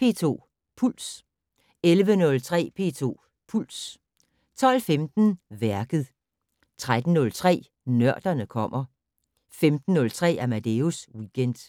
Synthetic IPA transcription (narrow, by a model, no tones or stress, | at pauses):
pʰe̝̰ːt͡sʰo̝̰ː | pʰul̰s | elʋənɔ̽lt͡sʰʁɛ̰ːpʰe̝̰ːt͡sʰo̝̰ː | pʰul̰s | t͡sʰɒ̽lfemd̥n̩ʋæɐɡ̥ð̞̩ˠ | t͡sʰʁad̥n̩ːɔ̽lt͡sʰʁɛ̰ː | nɶɐ̰d̥ɐnəkʰɒ̽m̰ɐ | femd̥n̩ːɔ̽lt͡sʰʁɛ̰ːæɐmæd̥euswiɡ̥ʰen̰d̥